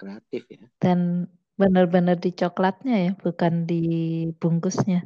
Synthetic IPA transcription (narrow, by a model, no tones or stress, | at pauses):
kɾeat̪ɪfjd̥an | bənərbənərdit͡ʃoklat̪̚ɲajab̥ukandibuŋkʊsɲa